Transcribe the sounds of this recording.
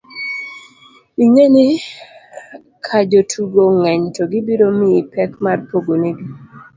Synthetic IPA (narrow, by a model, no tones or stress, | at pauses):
iɲeni | kʰad͡ʒotʰuɡoŋɛɲtʰoɡibiɾomiipɛkmarpoɡoniɡi